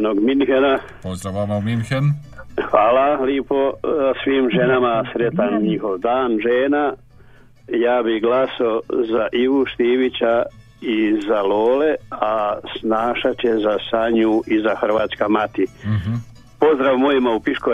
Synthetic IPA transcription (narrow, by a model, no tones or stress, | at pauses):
noɡminhena | pozd̪ɾaʋamaminhen | xʋaːlaliposʋiːmʒenamasɾet̪anɲixo̞ʋd̪aːnʒeːna | jaːbihɡlasaozaʔiɡuʃt̪iːʋit͡ɕa | izaloːle̞asnaːʃat͡ɕezasaɲuʔizaxrʋaːt̪skamat̪i | po̞zd̪ɾaʋmojimaupiʃko